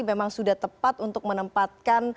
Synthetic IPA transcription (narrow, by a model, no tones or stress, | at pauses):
memaŋsudaht̪əpat̪unt̪ʊk̚mənəmpat̪̚kan